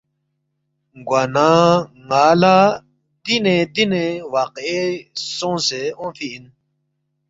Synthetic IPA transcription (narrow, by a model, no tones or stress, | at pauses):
ɡwanãŋala | d̪̥ined̪inewaqesɔ̃seɔ̃fiin